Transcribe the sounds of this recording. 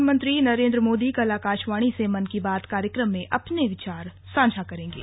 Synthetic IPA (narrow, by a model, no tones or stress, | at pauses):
mə̃nt̪ɾinɐɾẽːnd̪ɾəmoːd̪ikɐlaːkaːʃʋaːɽ̃isemɐnkibaːt̪kaːɾjəkɾəmːẽʔʔɐpneʋɪt͡ʃaːɾ | sãːd͡ʒʱakɐɾẽːŋɡḛː